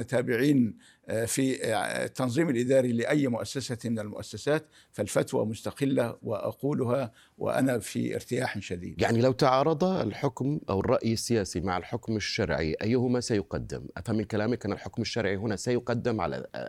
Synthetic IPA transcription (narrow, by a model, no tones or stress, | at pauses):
t̪aːbɪʕiːn | fit̪ːɑnzˤiːmalʔɪd̪aːɾilɪʔajːmʊʔasːasamɪnalmʊ̰ʔa̰sːasaːt̪ | falfat̪wa̰mʊst̪aqɪlːawɪʔa̰quːlʊha | wɪ̰ʔa̰nafḭɪ̰ɾt̪ɪjaːħʃad̪ḭːd̪jaʕnilawt̪aʕɑːɾˤɑd̪ˤɑ̰lħʊkmʔa̰wɪrˤːɑʔjasːɪjaːsimaʕalħʊkmaʃːɑɾˤʕḭʔajːhʊmasajʊqɑ̰d̪ːɪ̰mʔafhamːɪnkalaːmɪkʔanɪlħʊkmaʃːɑɾˤʕiɦʊnasajʊqɑd̪ːɪmʕa̰la̰